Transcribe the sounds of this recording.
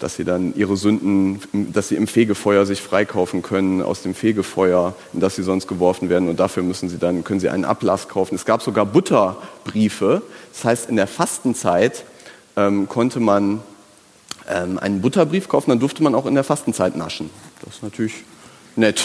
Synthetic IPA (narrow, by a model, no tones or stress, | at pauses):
d̥a̰sz̥ḭːdanʔiːʁəzʏndn̩ɪd̥asz̥iːɪmfeːɡəfɔʏɐzɪçfʁ̥aɪkʰaʊfn̩kʰœnənʔa̰ʊsd̥eːmfeːɡəfɔʏɐ | ɪnd̥asz̥iːzɔnst̚ɡ̥əvɔɐfn̩veːɐdn̩ʊnt̚d̥afyːɐmʏsn̩ziːdankʰœnənziːʔaɪnnʔa̰pla̰skʰaʊfn̩ɛsɡ̥aːpz̥oɡaːɐbʊtʰɐb̥ʁiːfəd̥ashaɪstɪndeːɐfastn̩t͡saɪtʔɛːmkʰɔntʰəman | ʔɛːmʔa̰ɪnənbʊtɐbʁiːfkʰaʊfn̩dandʊɐftəmanaʊxɪndeːɐfastn̩t͡saɪtna̰ʃn̩d̥asɪ̥stnatʰyɐlɪç | nɛt